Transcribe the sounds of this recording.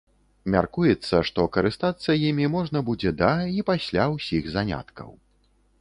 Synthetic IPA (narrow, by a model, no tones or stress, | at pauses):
mʲa̰rkujɛt̪sːɐʂt̪ɔkɐɾɨst̪at̪sːɐjimʲimɔʐnɐbud͡zʲɛd̪ɐipasʲlʲawsʲixzanʲa̰t̪kɐ̰w